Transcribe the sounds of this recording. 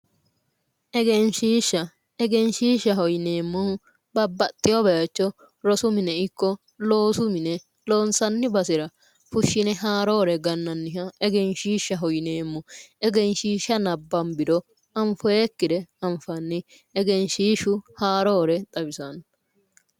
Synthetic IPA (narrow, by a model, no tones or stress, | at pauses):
ʔɛɡɛnʃiːʃːɐ | ɛɡɛnʃiːʃːɐɦɔjneːmːʊ | bɐbːɐt̪ʼːɪjɔbɛjɐt͡ʃːɔ | ɾɔsʊmɪnɛɪkːɔ | lo̞ːsʊmɪnɛ | lo̞ːnsɐnːɪbɐsɪɾɐ | fʊʃːɪnɛɦaːɾoːɾɛɡɐnːɐnːɪɦɐɛɡɛnʃiːʃːɐɦɔjneːmːʊɛɡɛnʃiːʃːɐnɐbːɐnbɪd̪ɔ | ɐɱfɔjekːɪd̪ɛɐɱfɐnːɪ | ɛɡɛnʃiːʃʊhaːɾoːɾɛt̪ʼɐbɪsɐn